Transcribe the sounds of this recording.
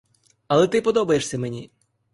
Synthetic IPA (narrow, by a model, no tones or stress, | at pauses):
ɐlˠɛt̪ɪpɔd̪ɔbɐjeʂsʲɐmenʲi